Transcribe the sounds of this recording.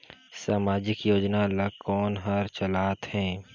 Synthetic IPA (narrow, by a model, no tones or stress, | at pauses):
saːmaːd͡ʒɪkjoːd͡ʒnalɐkɔːnɦɐɾt͡ʃɐlaːt̪hɛ̃ː